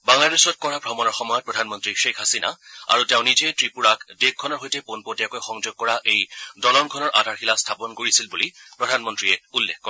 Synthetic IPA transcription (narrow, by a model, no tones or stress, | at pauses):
baŋladesɔt̚kɔɹabʱɹɔmɔnɔɹxɔmɔjɔt̚pɹɔdʱanmɔntɹiʃekhasina̰a̰ɹuteʊ̃nizɛtɹipuɹakdek̚kʰɔnɔɹɦojtɛponpotijakojxɔŋzoɡ̚kɔɹaʔejdɔlɔnkʰɔnɔɹʔadʱaɹxilastʰapɔnkoɹisilbulipɹɔdʱanmɔntɹiɛulːekʰːkɔ